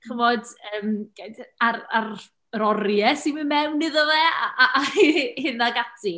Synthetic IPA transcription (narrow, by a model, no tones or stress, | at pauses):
χəvɔdəːmɡadarar | ɾɔɾjɛsimɨmɛwnːɨðɔðɛaaʔajhɪnaɡatʰi